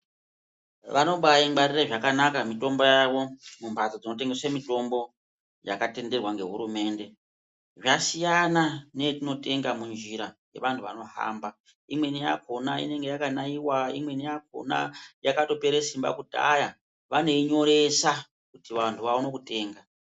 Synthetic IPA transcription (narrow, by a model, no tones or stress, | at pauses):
ʋano̞ɓajiŋɡ͡baɾireʐakanakamito̞mbo̞jaʋo̞mumpatod͡zino̞t̬e̞ŋɡe̞swemito̞mbo̞ | ja̰kate̞nde̞rwaŋɡe̞ɦuɾume̞ːnde̞ | ʐasijanane̞tino̞te̞ŋɡamund͡ʒiɾaje̞ʋantʰuʋa̰no̞ha̰ːmba | imwe̞nija̰kʰo̞naḭne̞ŋɡe̞jakanaiwaḭmwe̞nijak̚ʰo̰na̰jakato̞pe̞ɾesimba̰kuta̰ja | ʋane̞iɲo̞ɾe̞sa | kutiʋantʰuʋauno̞kute̞ːŋɡa